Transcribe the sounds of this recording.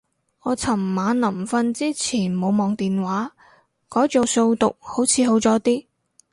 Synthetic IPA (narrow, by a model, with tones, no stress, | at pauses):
ŋɔː˨˧t͡sʰɐ˨˩mːaː˨˧nnlɐ˨˩mfɐ˧nt͡siː˥t͡sʰiː˨˩nmo˨˧wmɔː˨ŋt̪iː˨nwaː˨˥ | kɔː˨˥jt͡so˨˧wso˧wt̪ʊ˨k̚ho˨˥wt͡sʰiː˨˧ɦo˨˥wt͡sɔː˨˥t̪iː˥